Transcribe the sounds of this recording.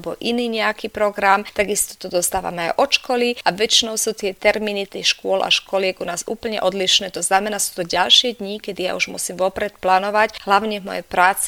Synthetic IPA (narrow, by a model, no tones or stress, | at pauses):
bɔ̰ʔiniːɲɛakipɾɔɡɾamt̪aɡist̪ɔ̥t̪ɔd̪ɔst̪aːʋa̰mɛajʔɔt͡ʃkɔliaʋɛt͡ʃinɔʊsuːt̪ɪɛt̪ɛɾminit̪ixʃkʊɔla̰ʃkɔlɪɛɡunaːzṵːpl̩ɲɛ̰ʔɔd̪liʃnɛːt̪ɔznamɛnaːsuːt̪ɔɟalʃɪɛd̪ɲikɛd̪ija̰uʒmṵsiːmʋɔpɾɛt̪plaːnɔʋacɦlaʊɲɛvmɔ̰jɛ̰pɾaːt͡si